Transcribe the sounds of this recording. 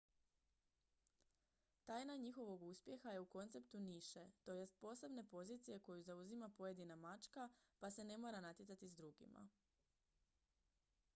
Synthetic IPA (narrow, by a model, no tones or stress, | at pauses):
t̪ajnaɲixo̞ʋo̞ɡuspje̞xaje̞uko̞nt̪se̞pt̪uniʃet̪o̞je̞st̪̚po̞ːse̞bne̞po̞zit̪sije̞ko̞juzauzimapo̞je̞d̪inamat͡ʃkapase̞ne̞mo̞ːɾanat̪jet̪at̪izd̪ɾuɡḭma̰